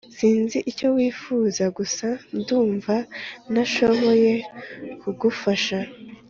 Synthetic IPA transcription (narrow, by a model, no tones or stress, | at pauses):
siːnziʔico̞wiːfuzaɡusanduːɱvanaʃo̞βo̞je̞kuɡufaʃa